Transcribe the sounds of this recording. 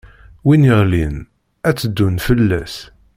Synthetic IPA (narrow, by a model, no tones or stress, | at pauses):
winiʁlin | æt͡sːəd̪ːunfəlːæs